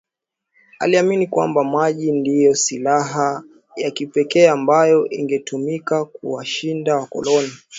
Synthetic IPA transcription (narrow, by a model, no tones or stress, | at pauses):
a̰liaminikwa̰mbamaʄindijɔsilaɦa | jakipɛkɛːambajɔʔiŋɡɛtumikak̚ṵwaʃindawakɔ̰lɔni